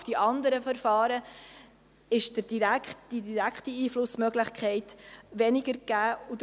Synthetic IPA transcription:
fd̥iʔɑnd̪əɾəfəɾfɑːɾə | ɪʃd̥əd̥iɾækχtd̥idiɾækχtiiːflʊsmœɡlɪχkʰχɛɪtʋɛnɪɡəɾɡ̥æːud

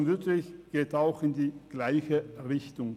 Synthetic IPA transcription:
nvɪtlɪçɡ̥eːtaʊxɪndiːɡ̥laɪçəʁɪçtʊŋ

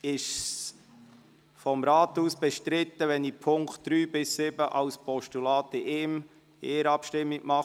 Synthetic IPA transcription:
ɪʃ | fɔmɾaːt̪uːsb̥ɛʃtɾɪt̪əʋɛnipʰʊŋkt̚d̥ɾyːbɪsːɪbəʔɑʊspʰɔʃtulɑːtɪʔeːm | eːəɾɑpʃtɪmːiɡ̥mɑ

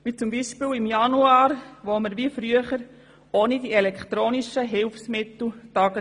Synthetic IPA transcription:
ʋit͡sʊmbiʃpɪːlimjɑnuaːɾʋoməɾʋifɾyəχəɾ | oːnidiɛlɛkχt̪ɾoːniʃəɦɪlfsmɪt̪l̩tɑɡ̥ə

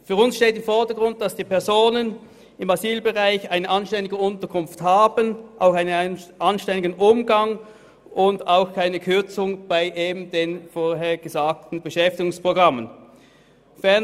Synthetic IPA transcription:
fyːɐʊnsʃteːtɪmfɔɐdəɡ̥ʁʊnt̚d̥ɑsd̥iːpʰɛɐzoːnən | ɪmaziːlbəʁaɪçaɪnəʔɑnʃtɛndɪɡəʊntəɐkʰʊnfthaːbənʔa̰ʊxaɪnəʔɑnʃtɛndɪɡənʔʊmɡɑŋ | ʔʊndaʊxkʰaɪnəkʰʏɐt͡sʊŋb̥aɪʔeːbm̩deːnfoːɐɦeːɐɡ̥əzaːk̚tn̩bəʃɛftɪɡʊŋspʁ̥oɡʁɑmən | fɛɐ

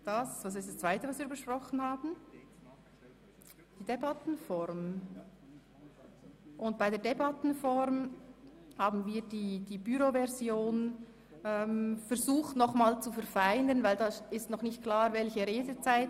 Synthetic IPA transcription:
d̥asvas̬ɪstd̥ast͡sv̥aɪtəvɑsviːɾbəʃprɔχən̩haːbn̩ | d̥iːd̥ebatn̩fɔɾm | ʔʊnt̚b̥aɪdeːɐdebatn̩fɔɾm | haːbn̩viːɐdiːd̥iːbyɾovɛʁzjoːn | ɛmfɛɾzuːχtnɔχmaːlt͡sufɛɐɾfaɪnənvaɪldɑːɪstnɔχnɪçtkʰl̥aːɾvɛlçəɾeːdət͡saɪt

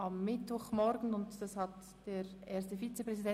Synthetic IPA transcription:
ɑmːɪtvɔχmɔɾɡn̩ʊntd̥ɑshɑt | d̥eːɾʔeːstəfiːt͡səpʁɛzidɛ

